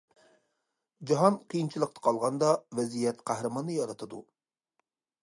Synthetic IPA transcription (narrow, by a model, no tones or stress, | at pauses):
d͡ʒɑɦɑnqʰijint͡ʃʰilˠəq̚t̪ʰɑ̥qʰɑlˠʁɑnd̪ɑvɛzijɛt̪qʰæhɾɨmɑnːɨjɑɾɑt̪ʰɨd̪ṵ